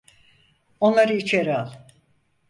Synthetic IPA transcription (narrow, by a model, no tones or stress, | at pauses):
o̞nlˠaɾɯit͡ʃʰeɾalˠ